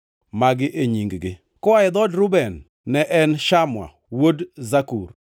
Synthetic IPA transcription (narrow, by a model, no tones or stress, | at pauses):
maɡɪʔeɲiŋɡɡɪ | kɔaɪd̪ɔdɾʊbɛnː | ɛʔɛnʃamwa̰ | wodzakur